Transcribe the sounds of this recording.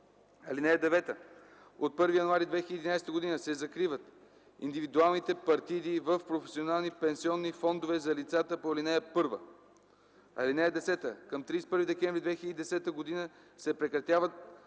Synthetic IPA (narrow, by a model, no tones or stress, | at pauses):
ɐlinɛjɛd̪ɛvɛt̪ə | ot̪̚pɤɾvijɐnuaɾid̪vɛxilʲəd̪inajst̪əɡod̪inəsɛzɐkɾivət̪ | ḭnd̪ivid̪ualˠnit̪ɛpɐɾt̪id̪ivəfpɾofɛsionalˠnipɛnsiɔnːifɔnd̪ovɛzɐlit̪sat̪əpoɐlinɛɛpɤɾvə̰ | ɐ̰linɛɛd̪ɛsɛt̪əkəmt̪ɾispɤɾvid̪ɛkɛ̃mvɾʲid̪vɛxilʲəd̪id̪ɛsɛt̪əɡod̪inə | sɛpɾɛkɾɐt̪ʲjavət̪̚